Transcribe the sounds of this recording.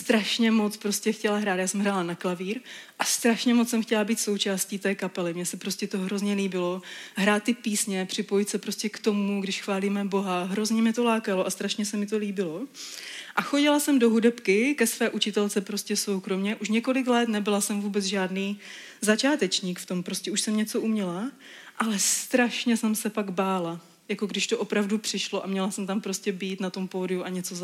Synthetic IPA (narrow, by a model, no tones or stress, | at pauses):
st̪ɾaʃɲɛmot͡spɾo̞scɛxcɛlaɦɾaːt̪jaːsɛmɦɾaːlanaklaviːɾʔast̪ɾaʃɲɛmot͡ssɛmxcɛlabiːt̪so̞wt͡ʃaːsciːt̪ɛːkapɛlɪmɲɛsɛpɾo̞scɛt̪oɦɾo̞zɲɛliːbɪlo̞ɦɾaːt̪̚ːɪpiːsɲɛpr̝̥ɪpo̞jɪt̪sɛpɾoscɛkt̪o̞muɡdɪʃxvaːliːmɛbo̞ɦaɦɾo̞zɲɛmɲɛt̪o̞laːkaloʔast̪ɾaʃɲɛsɛmɪt̪o̞liːbɪlo̞ | ʔaxo̞ɟɪlasɛmdo̞ɦudɛpkɪkɛsvɛːʔut͡ʃɪt̪ɛlt͡sɛpɾo̞scɛso̞wkɾo̞mɲɛʔuʃ̬ɲɛko̞lɪklɛt̪nɛbɪlasɛmvuːbɛt͡sʒaːdniː | zat͡ʃaːt̪ɛt͡ʃɲiːkft̪o̞mpɾo̞scɛuʃsɛmɲɛt͡so̞ʔumɲɛla | ʔalɛst̪ɾaʃɲɛsɛmsɛpaɡbaːla | jakoɡdɪʃt̪oʔo̞pɾavdupr̝̥ɪʃloʔamɲɛlasɛmt̪ampɾo̞scɛbiːt̪nat̪o̞mpoːdɪuʔaɲɛt͡so